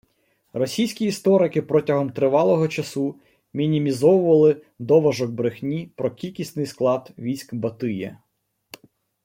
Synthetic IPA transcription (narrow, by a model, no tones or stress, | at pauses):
rɔsʲijsʲkʲiːst̪ɔɾɪkɪpɾɔtʲɐɦɔmt̪ɾɪʋɑlˠɔɦɔt͡ʃɐsu | mʲinʲimʲizɔwʊʋɐlˠɪ | d̪ɔʋɐʒɔɡ̚bɾɪxnʲipɾɔkʲilʲkʲisnɪjsklˠɑd̪ʋʲijsʲkbɐt̪ɪjɛ̰